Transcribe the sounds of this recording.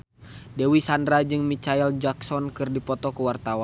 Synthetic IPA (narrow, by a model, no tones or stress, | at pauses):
dɛwisandɾad͡ʒɨŋmit͡ʃaild͡ʒaksɔnkɨrdipɔt̪ɔkəwart̪awan